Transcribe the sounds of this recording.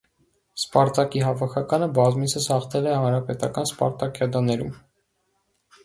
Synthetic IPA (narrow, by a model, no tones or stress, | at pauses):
spɑɾt̪ɑkiɦɑvɑkʰɑkɑnəbɑzmit͡sʰəshɑχt̪ʰɛlɛhɑnɾɑpɛt̪ɑkɑnspɑ̰ɾt̪ɑkjɑd̪ɑnɛɾum